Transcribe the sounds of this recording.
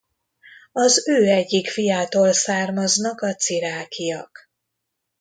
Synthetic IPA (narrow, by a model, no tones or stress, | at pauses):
ɒzøːɛɟːikfijaːt̪oːlsaːrmɒznɒkɒt̪siɾaːkʰijɒk